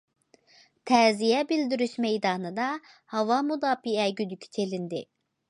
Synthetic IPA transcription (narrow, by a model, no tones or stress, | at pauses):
t̪ʰɛːzijɛbild̪yɾyʃmejd̪ɑːnɯd̪ɑ | hɑvɑmud̪ɑːfiɛɟyd̪ycʲʰi̥t͡ʃʰelind̪ɪ